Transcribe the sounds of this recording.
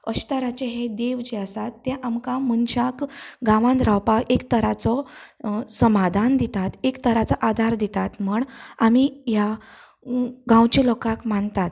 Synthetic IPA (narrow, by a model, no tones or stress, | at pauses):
əɕt̪aɾat͡ɕeɦed̪eʋd͡ʑeasat̪ːɛ̃ʔamkamuɳɕakɡãʋãnd̪ɾawpakekt̪əɾat͡sɔ | səmad̪ʱand̪it̪at̪ekt̪əɾat͡saʔad̪ʱaɾd̪it̪at̪m̤uɳamija | ɡãwt͡ɕilɔkakmaɳt̪at̪̚